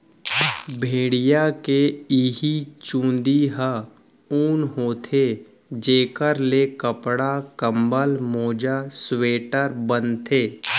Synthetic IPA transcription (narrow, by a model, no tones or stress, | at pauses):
bʱeːɽijakeiɦit͡ʃũːnd̪iɦə | uːnɦoːt̪ʰe | d͡ʒeːkəɾlekəpɽakəmbəlmoːd͡ʒasweːʈəɾbənt̪ʰeː